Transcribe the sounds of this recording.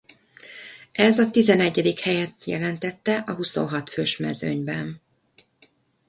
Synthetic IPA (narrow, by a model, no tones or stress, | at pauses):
ɛzɒt̪izɛnɛɟːɛd̪ikhɛjɛt̪jɛ̰lɛnt̪ɛt̪ːɛʔɒɦuso̰ːɦɒt̪føːʃmɛ̰zøɲbɛn